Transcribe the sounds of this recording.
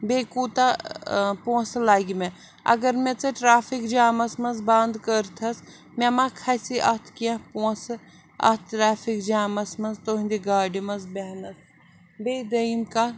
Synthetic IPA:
beːkuːt̪a | poːslaːɡime | ɐ̰ɡɐɾmet͡sɐʈɾaːfʰikd͡ʒaːmɐsmɐnzbaːnd̪kəɾt̪ʰɐs | mʲemãkʰɐsiʔɐt̪ʰkiãpoːs | ɐ̰t̪̚ʰʈɾaːfʰikd͡ʒaːmɐsmɐnzt̪oɦĩnd̪iɡaːɖimɐnzbeɦnɐs | beːd̪ɐimka

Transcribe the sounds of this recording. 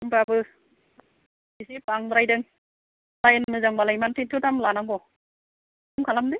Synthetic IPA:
ŋbabɯ | bisipaŋbɾajdɯŋ | lajɯnmɯzaŋbalajmantʰintʰɯtamlanaŋbɔ | uŋkʰalamdi

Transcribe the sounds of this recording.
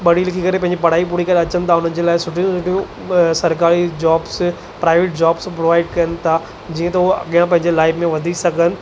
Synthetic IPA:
ɓɐɽ̤ilɪkʰikɐɾepɐɦɪ̃ɲd͡ʑipɐɽ̤aːipuːɽikɐɾeɐt͡ɕənɪ̆t̪ʰaʊn̤ənɪ̆d͡ʑeːlaːɪsʊʈʰijũsʊʈʰijũ | sɐɾkaːɾid͡ʑaːbs | pɾaːɪʋeːʈ̚d͡ʑaːbspɾoːʋaːɪɖ̚kɐjənɪ̆t̪ʰa | d͡ʑiːə̃t̪ɐɦuɐ̰ɠijãpɐ̃ɦɪ̃ɲd͡ʑelaːɪbmẽʋɐd̪ʱisɐɡʱənɪ̆

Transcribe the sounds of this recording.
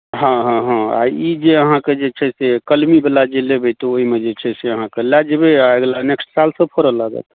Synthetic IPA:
ɦãɦãɦãa̰id͡ʒeəɦãked͡ʒet͡ʃʰɛsekəlmibelad͡ʒelebet̪ooɦimed͡ʒet͡ʃʰɛseəɦãkelad͡ʒebeaɡlaneksʈsalsə̃pʰoɾəlaɡə̰t̪

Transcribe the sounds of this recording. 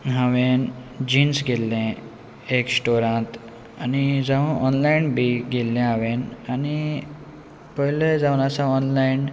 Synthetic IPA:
ɦãʋẽnd͡ʑinsɡelːẽ | eksʈoɾãt̪ | anid͡zaʋəʔɔnlainbiɡelːẽaʋenani | pəɦiled͡zaʋənasãɔnlain

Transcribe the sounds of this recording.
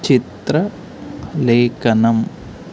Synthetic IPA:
t͡ʃit̪ɾɐ | leːkɐnɐm

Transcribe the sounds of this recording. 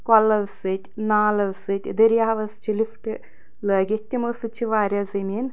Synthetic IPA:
kɐlːɐʋsɨt̪ʲnaːlɐʋsɨt̪ʲid̪ɐɾjaːʋɐst͡ʃilifʈɨ | lɐːɡet̪ʲːimɐsɨt͡ʃʰːiʋaːɾʲjazɐmiːn

